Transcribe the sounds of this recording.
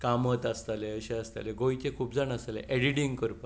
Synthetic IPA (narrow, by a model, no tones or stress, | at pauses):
kamət̪ast̪aleəɕeast̪aleɡojt͡ɕekʰuːpd͡zanasalḛʔɛɽiʈĩŋɡkəɾpə